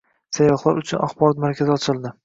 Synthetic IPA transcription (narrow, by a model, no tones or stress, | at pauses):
sajɒχlˠaɾʊt͡ʃʰʊnʔaχbɒɾɒt̪maɾkʲʰazɪɒt͡ʃʰɪlˠd̪ɪ